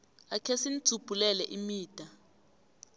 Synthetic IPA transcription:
akʰesin̩t͡sub̥ʱulɛlɛʔimiːd̥ʼʱa

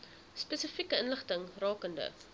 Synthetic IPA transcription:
spɛsəfikəənləχtəŋrɑːkəndə̰

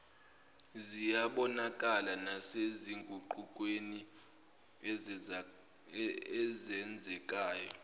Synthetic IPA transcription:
zijaɓɔnakʼalanaseziŋɡʱʼuǃukʼweni | ɛzɛnd͡zʱɛkʼaːjɔ

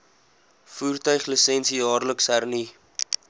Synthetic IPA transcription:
fuːrtœɥχlisɛnsijɑːrləksærni

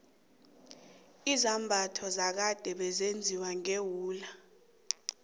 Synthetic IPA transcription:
izambʱatʰɔzak̬ad̥ʱɛɓɛzend͡zʱiwaŋewuːla

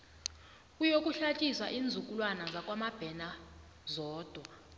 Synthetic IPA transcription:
kʼujokʼuɬat͡ʃʼisa̰ʔiːnd͡zʱukʼulwanazakʼwamab̥ʱɛna | zɔːd̥ʱwa

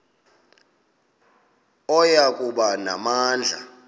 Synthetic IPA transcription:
ɔjakʼuɓana̰maːnd͡ɮʱa̰

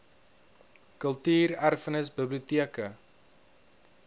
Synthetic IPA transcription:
kəlˠtyːɾærfənəsbəbliutiəkə

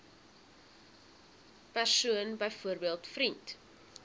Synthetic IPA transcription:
pærsuənbəjfuəɾbiəlˠtfɾint

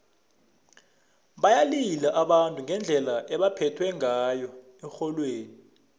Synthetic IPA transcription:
ɓajalilaʔaɓantʼuŋɡɛnd͡ɮʱɛlaʔɛɓapʰɛtʰwɛŋajɔ | ɛxɔlweːni

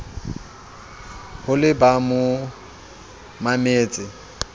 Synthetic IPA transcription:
hʊlɪbamʊ | mameːt͡sʼɪ

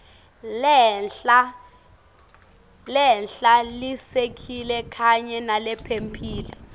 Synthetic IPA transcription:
lɛɬa | lɛnɬalisekʰilɛkʰaɲɛnalɛpʰempʰiːlɛ

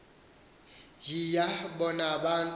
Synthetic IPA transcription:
jijabɔnabantʼ

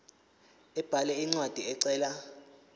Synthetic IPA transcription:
ɛb̥ʱalɛiŋ͡ǀwad̥ʱiɛǀɛːla

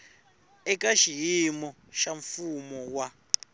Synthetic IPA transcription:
ɛkʼaʃijimɔ | ʃaɱfumɔwa

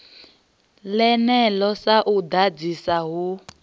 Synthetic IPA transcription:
lɛnɛlɔsaʔud̪ad͡zisaɦu

